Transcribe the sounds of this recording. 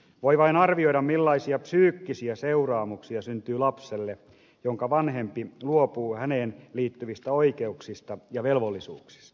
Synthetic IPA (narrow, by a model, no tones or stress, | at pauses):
ʋoiʋɑinɑrʋioiɾɑmmilːɑisiɑpsyːkːisiæseurɑːmuksiɑsynt̪yːlɑpselːe | joŋkɑʋɑnhempiluopuːhæneːnliːt̪ːyʋist̪æo̞ikeuksist̪ɑjɑʋelʋolːisṵːksi̥st̪ɑ̥